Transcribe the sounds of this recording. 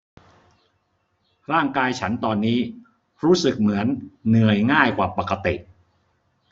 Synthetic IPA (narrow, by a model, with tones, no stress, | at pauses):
ɾaː˥˩ŋkaː˧jt͡ɕʰa˦˥nt̪ɔː˧nːiː˦˥ | ɾuː˦˥sɯ˨˩k̚mɯ˩˦ənːɯ˨˩əjŋaː˥˩jkwaː˨˩pa˨˩kːa˧t̪i˨˩ʔ